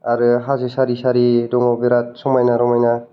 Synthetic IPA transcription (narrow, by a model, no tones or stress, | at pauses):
aɾɯɦazɯsaɾisaɾidɔŋɔbiɾat̚sɔmajnaɾɔmajna